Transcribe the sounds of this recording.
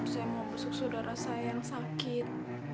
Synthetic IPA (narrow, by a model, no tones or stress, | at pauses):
t̪u̥sajamaʔbusʊk̚sodaɾasajaŋsakɪt̪̚